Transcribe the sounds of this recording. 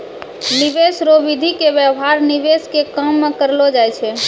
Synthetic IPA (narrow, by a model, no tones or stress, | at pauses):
niʋesɾobid̪ʱikebjəɦaɾniʋeskekəmːẽkəɾlod͡ʒajt͡ʃʰɛ